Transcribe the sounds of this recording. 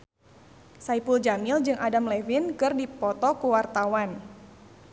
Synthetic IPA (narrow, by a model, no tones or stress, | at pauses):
saipuld͡ʒamɪld͡ʒɨŋʔadamlɛvinkɨrdipɔt̪ɔkuwart̪awan